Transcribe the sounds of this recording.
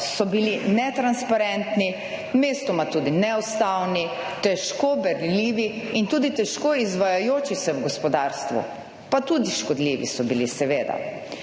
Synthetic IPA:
sɔbilinɛt̪ɾanspaɾɛnt̪ni | meːst̪ɔmat̪uːd̪inɛɔst̪awni | t̪ɛʃkobɛɾlliːʋi | int̪uːd̪it̪ɛʃkoizʋajajoːt͡ʃisɛwɡɔspɔd̪aːɾst̪ʋṵ | pat̪uːd̪iʃkɔd̪liʋḭsɔbilisɛʋeːd̪a̰

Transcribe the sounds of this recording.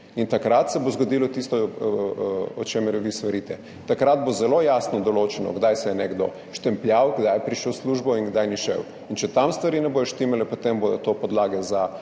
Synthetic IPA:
int̪akɾat̪sɛbozɡod̪iːlɔt̪ist̪ɔ | ɔt͡ʃemɛɾjʋist̪ʋaɾiːt̪ɛ | t̪akɾad̪̚bozɛlojasnɔd̪ɔloːt͡ʃɛnɔ̰ɡd̪ajsɛjɛnɛɡd̪o̰ | ʃt̪ɛmplʲjawɡd̪ajpɾiʃɛwsluʒbɔinɡd̪ajniʃɛ̰w | int͡ʃɛt̪amst̪ʋaɾinɛboːjoʃt̪imɛlɛpot̪emboːdɔt̪opɔd̪laːɡɛza

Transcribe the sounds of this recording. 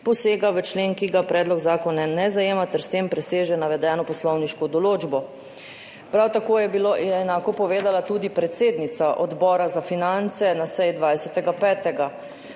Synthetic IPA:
pɔseːɡaʋət͡ʃleːŋkiɡapɾʔɛːd̪lɔɡzaːkɔnanɛzajeːmat̪ɛɾst̪empɾɛseːʒɛnaʋɛd̪ɛːnɔpɔslɔwniʃkɔd̪ɔloːd͡ʒbɔ | pɾawt̪akoːjɛbilojɛɛnaːkɔpɔʋeːd̪alat̪ud̪ipɾɛt̪seːd̪nit̪saʔɔd̪bɔːɾazafinant̪sɛnasɛjd̪ʋajsɛt̪ɛɡapɛːt̪ɛɡa

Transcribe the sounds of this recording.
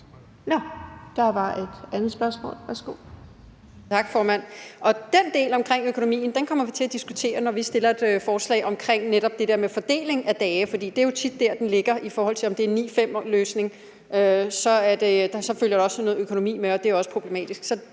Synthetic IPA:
nɔd̥ɑ̈ʋɑ̈e̝d̥ænð̩ˠsb̥ɶɐsmɔ̰ːlʋæɐsɡ̥o̝̰ː | t͡sʰɑ̈ɡ̥fɒːmæn̰ʔɒ̽d̥end̥e̝̰ːlɒ̽mkʰʁeŋ̰økʰo̝nomḭːn̩d̥enkʰɒ̽m̰ɐʋit͡sʰe̝æd̥isɡ̥ut͡sʰe̝̰ːɐnɒʋisd̥e̝lɐe̝d̥øfɒːslɛ̰ːɪʔɒ̽mkʰʁeŋ̰neɾ̥ɒ̽b̥̚d̥e̝d̥e̝ɐmefɒ̽d̥e̝̰ːle̝ŋæd̥ɛːfɒ̽d̥ḭːd̥e̝æjo̝t͡sʰid̥ːæɐ̰d̥enle̝ɡ̥ɐʔifɒːhɒ̽l̰t͡sʰe̝lɒ̽md̥e̝æɐnḭːfem̰løːsne̝ŋ | øsɒ̽æɐd̥e̥sɒ̽føljɐɾ̥eɒ̽sno̽ːð̩ˠøkʰo̝no̝mḭːmeɒ̽d̥e̝jæɒ̽sə̥pʰʁo̝b̥le̝mɛ̰ːd̥isɡ̥sɒ̽

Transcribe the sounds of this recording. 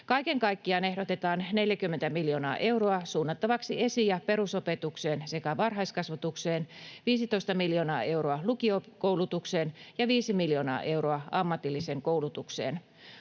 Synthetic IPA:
kɑikeŋkɑikːiɑne̞hdot̪et̪ɑːnneljækymːent̪æmiljoːnɑ̰ːʔe̞uroɑsuːnːɑt̪ːɑʋɑksiesijɑpe̞ɾusopet̪ukseːnsekæʋɑrɦɑiskɑsʋɑt̪ukseːnʋiːsit̪oist̪ɑmiljoːnɑ̰ːʔe̞uɾoɑlukiokoulut̪ukseːnjɑʋiːsimiljoːnɑ̰ːʔe̞uroɑɑmːɑt̪ilːiseːŋkoulut̪uksḛːn

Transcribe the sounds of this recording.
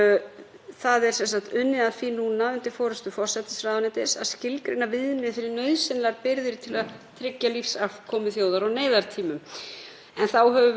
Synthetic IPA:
θaðɛɾ̥sɛnsaŋt̪ʏnːɪaðfinunaʏnt̪ɪfɔːɾʏst̪ʏfɔr̥sɛt̪ɪsɾaːðanɪt̪ɪsascɪlkɾɪnːavɪðnɪðfɪɾɪɾnœɥðsɪnlaɾpɪɾðɪɾt̪ʰɪlaðt̪ʰɾɪcːalifsafkʰɔːmɪθjoːwðaɾawneːjðaɾ̥t̪ʰiːmʏm | ɛnθawɦɛvʏ

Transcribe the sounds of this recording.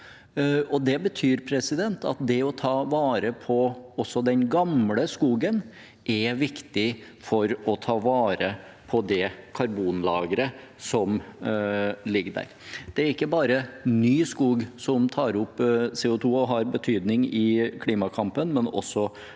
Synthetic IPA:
ɔd̪ɛbət̪ʰyːɾpʰɾɛsɪd̪ɛnt̪ɑ̰t̪̚d̪ɛɔt̪ʰɑːʋɑːɾəpʰɔɔsːɔd̪ɛnɡɑmləskuːɡən | ʔɛʋɪkt̪ɪ | fɔɾɔt̪ʰɑːʋɑːɾə | pʰɔd̪ɛkʰɑɾbuːnlɑːɡəɾə | sɔm | lɪɡːəɖ̪æ̰ɾd̪̥ɛæɾɪkːəbɑːɾənyːskuːɡsɔmt̪ʰɑːɾʊpːseːʊt̪ʰuːɔɦɑɾbət̪ʰyːd̪nɪŋɪkʰliːmɑkʰɑmpənmɛnɔ̰sːɔ

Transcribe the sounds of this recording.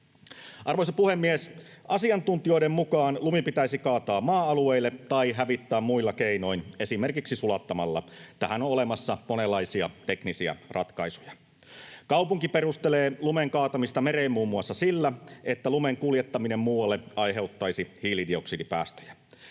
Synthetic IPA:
ʔɑrʋo̞jsɑpuhemːies | ɑsiɑnt̪unt̪io̞jdemːukɑːnlumipit̪æisikɑːt̪ɑːmmɑːɑlueilːet̪ɑjɦæʋit̪ːæːmmuilːɑkeino̞ine̞simerkiksisulɑt̪ːɑmɑlːɑ̰et̪ːæhænoolemɑsːɑmonelːɑjsiɑ̰t̪e̞knisiæ̰rʔɑ̰t̪kɑisujɑ | kɑwpuŋkiperust̪eleːlumeŋkɑːt̪ɑmist̪ɑmeɾeːmmuːmːuɑsːɑsilːæe̞t̪ːælumeŋkuljet̪ːɑminemmuːwɑlːeɑjɦe̞wt̪ːɑjsihiːlidio̞ksidipæ̰ːst̪ø̥jæ̥

